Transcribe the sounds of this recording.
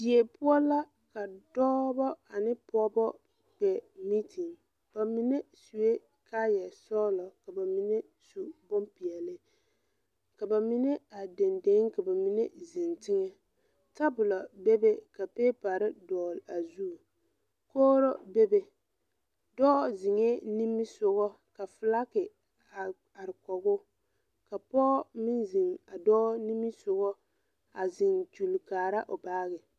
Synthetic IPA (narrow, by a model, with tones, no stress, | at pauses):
d͡ʒi˨e˨pʊ˦ɔ˦la˦ | ka˨d̥ɔː˦bɔ˦a˨nɪ˦pɔ˦bɔ˦ | k͡pɛ˨mi˦tʰɪ˨ŋ | b̥a˨mi˦ne˦su˨e˦ | kʰaː˦jɛ˨sɔː˦lɔ˨ka˨ba˨mi˨ne˦ | su˨bʊ˦mpi˨ɛ˨lɪ˦ | ka˨ba˨mi˦ne˦a˨de˨nde˨˦ŋka˨ba˨mi˨ne˦zɪ˨ntɪ˦ŋɛ˦ | ta˦bʊ˨la˨be˦be˦ka˨peː˦pa˨ɾɪ˦dɔː˨la˨zu˦˨ | koː˦ɾo˦be˦be˦ | dɔː˦zɪ˨ŋɛ˦ni˦mi˦sʊ˨ɣɔ˦ | ka˨fɨ˨la˦kɪ˨ | a˨ | a˨ɾɪ˨kɔ˨ɡʊ˦ | ka˨pɔː˦mɪ˦nzɪ˨ŋa˨dɔː˦ni˦mi˦sʊ˨ɣɔ˦ | a˨zɪ˨ntu˨lkaː˨ɾa˦ʔo˨baː˦ɣɪ˨